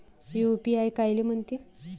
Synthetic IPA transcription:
jupiajkajliːm̤əɳt̪i

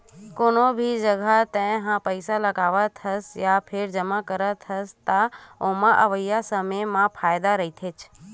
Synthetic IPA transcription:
koːnobʱid͡ʒəɡʱat̪ə̃ɦãpəɪsaləɡaːʋət̪ʰəsjapʰɪɾd͡ʒəmãkəɾət̪ʰəst̪aõːmãʔəʋəjːasəməmãpʰaːjd̪aɾəɦit̪ʰet͡ʃ

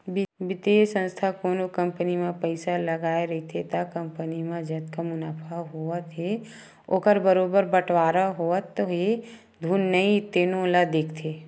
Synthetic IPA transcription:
bɪbɪt̪esə̃nst̪ʰakoːnokə̃mpənimẽpəɪsaləɡaːeɾɐit̪ʰet̪akə̃mpənimãd͡ʒət̪kamʊnaːpʰaɦoət̪ɦe | okəɾbəɾoːbəɾbəʈʰwaːɾaɦoət̪ːoɦe | d̪ʱuːnːəit̪ːeːnolad̪eːkʰt̪ʰeː

